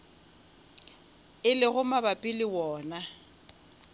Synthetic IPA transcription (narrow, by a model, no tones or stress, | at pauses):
ɪlɪɣʊmabapʼɪlɪwɔːna